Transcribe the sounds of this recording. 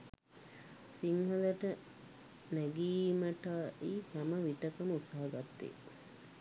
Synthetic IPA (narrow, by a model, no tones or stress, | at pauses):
siŋhɐlɐʈə | næɡiːməʈaːihæməʋiʈəkəməut̪saɦɐɡat̪ːḛː